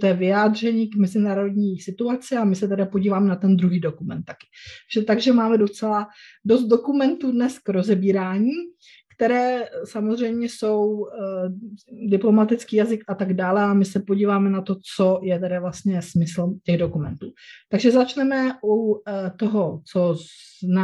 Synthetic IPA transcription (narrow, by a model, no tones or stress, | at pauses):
t̪ɛːvɪjaːd̪r̝ɛɲiːkmɛzɪnaːɾo̞dɲiːsɪt̪uat͡sɪamɪsɛt̪ɛdapoɟiːvaːmɛnat̪ɛnd̪ɾuɦiːdokumɛ̰nt̪̚ːḁkɪ̥ʒ̥ɛt̪aɡʒɛmaːmɛdo̞t͡sɛlado̞st̪̚do̞kumɛnt̪udnɛskɾo̞zɛbiːɾaːɲiː | kt̪ɛɾɛːsamozr̝ɛjmɲɛso̞w | dɪplo̞mat̪ɪt͡skiːjazɪkʔat̪aɡdaːlɛamɪsɛpo̞ɟiːvaːmɛnat̪o̞t͡so̞jɛt̪ɛdavlast̪ɲɛsmɪsl̩cɛɣdo̞kumɛ̰nt̪uːt̪aɡʒɛzat͡ʃnɛmɛʔut̪oɦo̞t͡sozna